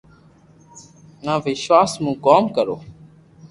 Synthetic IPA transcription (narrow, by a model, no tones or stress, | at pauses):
nãːʋɪʃʋaːsmũːkoːmkəɾoː